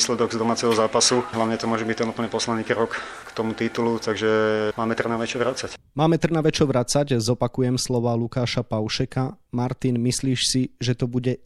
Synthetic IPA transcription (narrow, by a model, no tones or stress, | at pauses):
slɛd̪ɔɡzd̪ɔmaːt͡sɛɦɔzaːpasuɦlaʊɲɛt̪ɔmʊɔʒɛbic̚t̪ɛnupl̩ɲɛpɔslanːiːkɾɔkkt̪ɔmut̪it̪ulut̪aɡʒɛmaːmɛt̪r̩naʋɛt͡ʃɔʋɾat͡sac | maːmɛt̪r̩naʋɛt͡ʃɔʋɾat͡saɟzɔpakujɛmslɔʋalukaːʃapaʊʃɛkamaɾt̪inmisliːʃsiʒɛt̪ɔbuɟɛ